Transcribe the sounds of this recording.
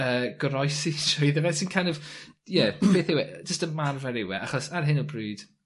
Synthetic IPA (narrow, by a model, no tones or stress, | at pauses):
əːɡ̥ɾɔjsɪʃɔjðəvɛsinkʰãjnɔv̥jɛb̥eːθɪwɛd͡ʒəstəmarvɛɾɪwɛ̰ʔaχɔsaɾɦɪnɔbryːd̥